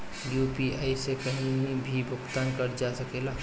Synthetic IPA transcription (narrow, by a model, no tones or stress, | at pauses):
jjupiaisekəɦĩbʱibʱʊɡt̪ankəɾd͡ʒasəkela